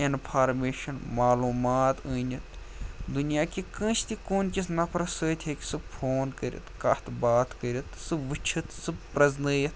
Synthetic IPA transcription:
inpʰaːɾmeːʃɐnmaːluːmaːt̪ɨːnʲit̪ | d̪unijaːkikə̃ːt͡ʃt̪ikoːnkʲisnɐpʰɾɐsəːt̪ʲʰeːkʲi̥sɨbpʰoːnkəɾʲjḭt̪kɐt̪baːt̪kəɾʲit̪sɨʋɨt͡ʃʰit̪sɨbpɾɐznəːjit̪

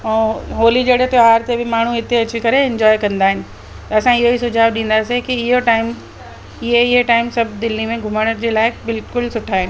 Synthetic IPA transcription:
ɛ̃ːɦoːlid͡ʑɐɽɦet̪oɦaːɾt̪ebʱɪmaːɳ̤ũɦɪt̪eɐt͡ɕikɐɾeɛ̃ɲd͡ʑɔːjkɐ̃nd̪aːɦɪnɪ̆ | t̪ɐɐsãɪɦoisʊd͡ʑʱaːʋɗĩːn̆d̪asikiɪɦoʈaːɪm | ɪɦeɪɦeʈaːɪmsɐbʱd̪ɪlːimẽɡʱʊməɽ̃əɾd͡ʑeːlaːɪbɪlkʊlsʊʈʰaːɦɪnɪ

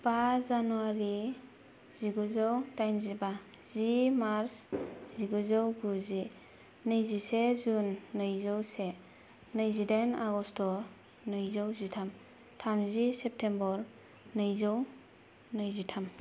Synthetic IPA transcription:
bazanuaɾi | z̥iɡuzɔwtajmziba | z̥imaɾsz̥iɡuzɔwɡuzi | nɯjzisezunːɯjzɔwse | nɯjzidenaɡɔstɔ | nɯjzɔwzitʰam | tʰamzisep̚tʰembɔɾ | nɯjzɔw | nɯjzitʰam

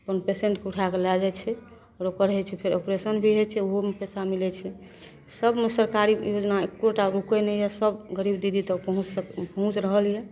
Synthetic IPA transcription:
əpənpeseɳʈkuʈʰakelad͡ʒɛt͡ʃʰɛ | ɔːɾokəɾɦɛt͡ʃʰɛpʰeɾopɾesənbʱiɦet͡ʃʰɛoɦomepɛsamilɛt͡ʃʰɛ | səbmesəɾkaɾijod͡ʒnaekːoʈaɾokɛnɛjɛsəbɡəɾibd̪id̪ʱit̪əpəɦũt͡ʃkpəɦũt͡ʃɾəɦəljɛ

